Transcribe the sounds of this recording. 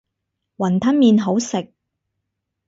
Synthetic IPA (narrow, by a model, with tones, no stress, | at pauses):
wɐ˨˩nt̪ʰɐ˥nmiː˧nɦo˨˥wsɪ˨k̚